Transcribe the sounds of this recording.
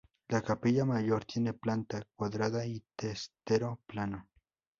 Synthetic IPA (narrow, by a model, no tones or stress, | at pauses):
lakapeʎamajoɾt̪jeneplant̪ak̚waðɾaðait̪est̪eɾoplano